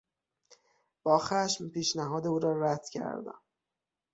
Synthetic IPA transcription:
b̥ɒːxæʃmpiːʃnæɦɒːd̪euːɾɒːɾæd̪̥cʰæ̰ɾd̪æ̰m

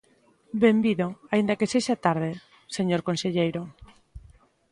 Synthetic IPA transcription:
bembiðoaind̪ɐkeseʃat̪aɾðe | seɲoɾkonseʎejɾo

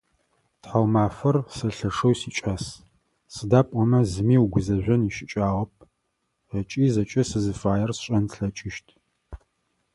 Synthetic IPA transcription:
tħawmaːfɐrsɐɬɐʂɐwsiːt͡ʃʼɐs | sɨdaːpʼɔmɐzɨmiːwuɡʷʊzɐʒʷɐniʃɪt͡ʃʼaːʁɐp̚ʰ | ət͡ʃʼiːzɐt͡ʃʼɐsɨzɨfaːjɐrsɕʼɐntɬɐt͡ʃʼɪʃtʰ

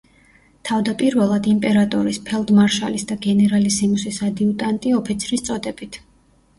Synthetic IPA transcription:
t̪ʰavd̪apʼiɾvɛlˠad̪impʼɛɾat̪ʼɔɾispʰɛlˠd̪maɾʃalisd̪aɡɛnɛɾalisimusisad̪iut̪ʼant̪ʼiɔpʰit̪sʰɾist̪sʼɔd̪ɛbit̪ʰ

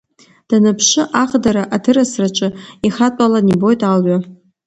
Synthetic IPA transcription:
d̥anɨpʰʂɨʔaχdaɾaʔatʰɨrasrat͡ʃʷʼɨiχatʷʼalanibo̞jtʼalɥa

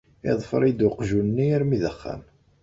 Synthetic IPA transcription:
ɪðˤfəɾˤid̪ʊqʒunːiæɾmiðəχːæ̰m

